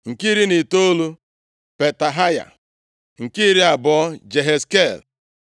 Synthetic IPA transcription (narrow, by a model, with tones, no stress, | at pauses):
ŋ̩˨ki˦ɾi˦ni˨to˦lu˦ | pe˨ta˨ɦa˦ja̰˨ | ŋ̩˨ki˦ɾi˦a˨bɔ˦ɔ˦d͡ʒe˨ɦe˨ske˦˨l